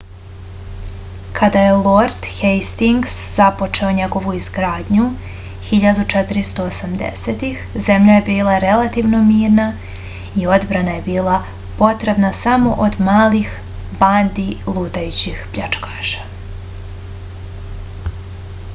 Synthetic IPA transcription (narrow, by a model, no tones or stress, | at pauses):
kʰad̪aje̞lˠoɾd̪xejst̪iŋɡszapo̞t͡ʃe̞oɲe̞ɡo̞ʋuizɡɾaːd̪ɲu | xiʎad̪ut͡ʃet̪ɪɾist̪o̞ːsamd̪ḛset̪ixze̞mʎaje̞biːlˠaɾe̞lˠat̪iʋno̞miːɾna | io̞d̪bɾanaje̞biːlˠa | po̞t̪ɾe̞bnasamo̞̰ʔod̪maːlix | band̪ilˠuːt̪ajut͡ɕixpʎat͡ʃkaːʃḁ